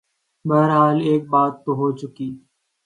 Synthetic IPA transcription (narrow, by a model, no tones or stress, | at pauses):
bəɦəɾɦaːleːk̚baːt̪ːoːɦoːt͡ʃʊkiː